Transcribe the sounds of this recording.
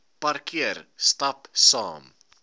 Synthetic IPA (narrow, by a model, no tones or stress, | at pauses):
pɐrkiərstɐpsɑ̰ːm